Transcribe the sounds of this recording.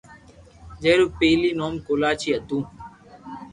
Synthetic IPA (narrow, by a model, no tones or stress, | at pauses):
d͡ʒeːɾuːpeːliːnoːmkoːlaːt͡ʃʰiːət̪ũː